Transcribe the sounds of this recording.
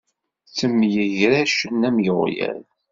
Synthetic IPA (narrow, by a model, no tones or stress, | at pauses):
t͡sːəmːjəʝɾæʃənːæmjəʁjæ̰ɾ